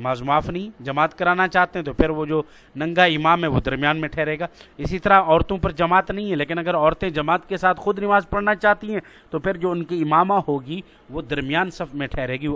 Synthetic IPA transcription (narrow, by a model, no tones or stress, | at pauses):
ɪmaːzmʊaːfʰnɐɦĩd͡ʒɐmaːt̪kɐɾaːnat͡ʃaːɦt̪ẽɦɛ̃t̪opʰɪɾʋod͡ʒoː | nɐ̃ŋɡaɪmaːmɦɛ̃ʋod̪ɐɾmijaːnmẽʈʰɛːɾeːɡaːɪsit̪ɐɾaɔːɾt̪õpɐɾd͡ʒɐmaːt̪nɐɦĩɦɛ̃leːkɪnɐɡəɾɔːɾt̪ẽd͡ʒɐmaːt̪kesaːt̪ʰxʊd̪nɪmaːzpɐɽnat͡ʃaːt̪iɦɛ̃ː | t̪opʰɪɾd͡ʒoːʊnkiɪmaːmahoːɡi | ʋod̪ɐɾmɪjaːnsɐbmẽʈʰɛːɾeːɡi